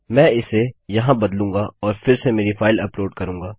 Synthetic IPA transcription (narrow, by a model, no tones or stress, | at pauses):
mɛ̃ːɪsejɐɦãbɐd̪lũːɡaɔːɾfɪɾsemeːɾifaːɪlɐploːɖkɐɾũːŋɡaː